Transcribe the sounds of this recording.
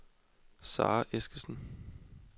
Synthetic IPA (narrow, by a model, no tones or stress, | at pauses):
sɑ̰̈ːʔesɡ̥əsn̩